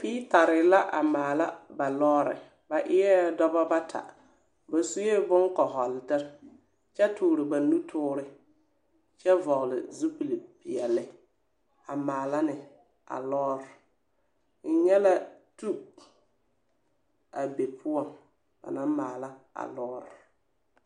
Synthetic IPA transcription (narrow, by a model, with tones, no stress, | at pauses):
piː˦ta˨ɾɪ˨la˦ʔa˨maː˨la˦ba˨lɔː˦ɾɪ̰˨ | ba˨ʔɪ˦ɛ˦dɔ˦ba˦ba˦tʰa̰˨ | ba˨su˦je˦bʊ˦ŋkɔ˨ɦɔ˨ldɪ˦ɾ | t͡ʃɛ˦tʊː˨ɾɪ˨ba˨nu˦tʰʊː˦ɾɪ˦ | t͡ʃɛ˦vɔ˨ɣlɪ̰˨zu˦pi˨li˨bi˨ɛ˨lɪ˦ | a˨maː˨la˦nɪ˨ | a̰˨lɔː˦ɾɪ˨ | ŋ̩˦ɲɛ˦la˦tu˦ | a˨be˨pʰʊ˦ɔ˨n | ba̰˨na˦maː˨la˦a̰˨lɔː˦ɾɪ˨